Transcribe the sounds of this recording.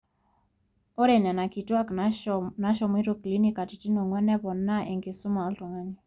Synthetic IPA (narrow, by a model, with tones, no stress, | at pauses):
o˦ɾe˨na˨na˨ki˨twa˦kna˦ʃɔ˨mi˦ɾo˦kli˦ni˦ka˨ti˨ti˦no˨ŋwɛ˦nɛ˦βɔ˨nːa˦ʔe˨ŋɡɪ˨sʊ˦ma˨ɔ˦ltɔ˨ŋa˦ni˨